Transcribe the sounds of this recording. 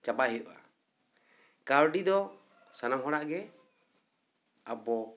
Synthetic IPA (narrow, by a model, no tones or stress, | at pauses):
t͡ʃabaɦija̰ | kaɾɖid̪ɔ | sanamɦɔɽaʔɡɛ | abɔ